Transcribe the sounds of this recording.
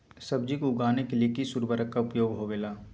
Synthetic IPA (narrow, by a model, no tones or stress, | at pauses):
sɐbd͡ʒikoʊɡaːnekeliekisuɾbəɾəkːaʊpjoːɡɦoɡɐjaː